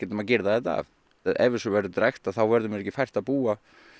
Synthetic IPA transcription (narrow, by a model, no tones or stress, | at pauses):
ɛt̪macɪɾðaðɛt̪a̰v | ʔɛ̰vɪɾsɔvɛɾðʏt̪ɾajxt̪aθawvɛɾðʏmɪɾɛcːɪfajr̥t̪aðpuːa